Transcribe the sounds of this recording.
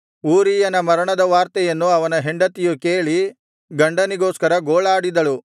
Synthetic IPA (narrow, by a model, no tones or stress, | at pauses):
uːɾiːjɐnɐmɐɾɐɳɐd̪ɐʋaːɾt̪ɛjɐnːuɐʋɐnɐɦeɳɖɐt̪ijukeːɭi | ɡɐɳɖɐniɡoːskɐɾɐɡoːɭaːɽid̪ɐɭu